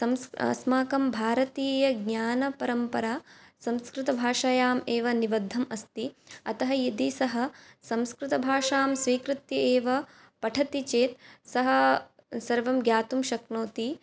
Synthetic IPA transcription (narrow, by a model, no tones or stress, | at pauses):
sɐmsɐ̰smaːkɐmbʱaːɾɐt̪iːjɐɡɲaːnɐpɐɾɐmpɐɾaːsɐmskɾɪt̪ɐbʱaːʂajaːmeːʋɐniʋɐd̪ʱːɐmɐst̪iɐt̪ɐɦɐjɐd̪isɐɦɐ̆sɐ̃mskɾɪt̪ɐbʱaːʃaːmsʋiːkɾɪt̪jieːʋɐ | pɐʈʰɐt̪it͡ʃeːt̪̚sɐɦɐ̆ | sɐɾʋɐmɡjaːt̪umʃɐknoːt̪i